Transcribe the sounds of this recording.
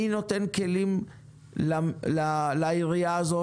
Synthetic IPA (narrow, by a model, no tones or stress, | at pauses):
ino̞t̪e̞nke̞lim | lalalaiʁijaːzo